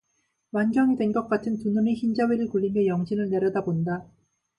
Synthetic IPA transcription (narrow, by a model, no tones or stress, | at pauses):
wand͡ʑʌŋidwe̞nɡʌk͈atʰɯntununeçind͡ʑaweɾɯɭkuʎːimjʌjʌŋɕʰinɯɭne̞ɾjʌdabonda